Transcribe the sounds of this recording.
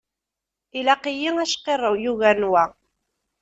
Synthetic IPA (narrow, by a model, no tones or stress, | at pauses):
ilɑqijiŋæʃqerˤəwjuɣænwa